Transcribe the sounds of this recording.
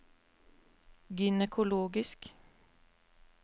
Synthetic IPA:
ɡʏnɛkʰʊloːɡɪsk

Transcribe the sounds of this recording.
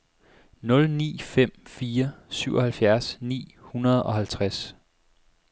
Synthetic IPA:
nɔ̽lnḭːfem̰fiːɐsyʊ̰ɒhælfjæɐsnḭːhunɐð̞ˠɒ̽hælt͡sʰʁas

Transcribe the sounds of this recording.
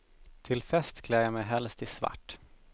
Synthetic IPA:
t̪ʰɪlfɛst̪kʰlɛːjamɛjɦɛlst̪ɪsva̰ʈː

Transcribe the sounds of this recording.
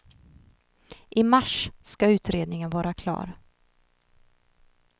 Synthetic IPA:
ʔɪmaʂskaʉ̟ːt̪ɾeːd̪nɪŋənvɑːɾakʰlɑ̰ːɾ

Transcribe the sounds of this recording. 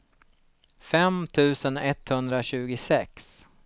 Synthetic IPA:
fɛmt̪ʰʉ̟ːsənɛt̪hɵnd̪ɾaɕʉ̟ːɡʊsɛks

